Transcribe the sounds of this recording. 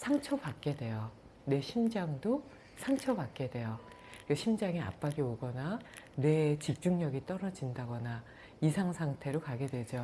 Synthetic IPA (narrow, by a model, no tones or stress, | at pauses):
sʰaŋt͡ɕʰʌpak̚k͈e̞dwe̞jʌ | ne̞ɕʰimd͡ʑaŋdo | sʰaŋt͡ɕʰʌbak̚k͈e̞dwe̞jʌ | ʌɕʰimd͡ʑaŋia̰p͈aɡioɡʌnane̞t͡ɕip̚t͡ɕ͈uŋɲʌɡit͈ʌɾʌd͡ʑindaɡʌna | isʰaŋsʰaŋtʰe̞ɾokaɡe̞dwe̞d͡ʑo